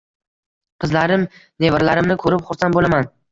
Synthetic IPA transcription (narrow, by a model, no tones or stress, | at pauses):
qʰɨzlaɾɪmnevɪɾlaɾɪmnɪkʰɵɾɪpχʊɾsanbolaman